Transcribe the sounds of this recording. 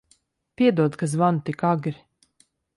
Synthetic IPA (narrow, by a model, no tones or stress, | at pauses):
piɛd̪uɔkas̬vant̪ikaɡɾi